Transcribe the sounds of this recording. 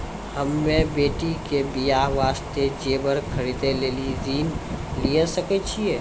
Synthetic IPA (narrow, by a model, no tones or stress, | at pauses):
həmːẽbeːʈikebijaːɦʋaːst̪ed͡ʒeːbəɾkʰəɾid̪eleːliɾiːnlijesəket͡ʃʰiɛː